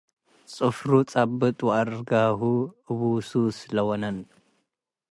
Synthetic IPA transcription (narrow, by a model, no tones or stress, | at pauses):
t͡sʼɨfɾut͡sʼabːɨt̪ʼwaɾɡaɦuβususɨlɐwɔnɐn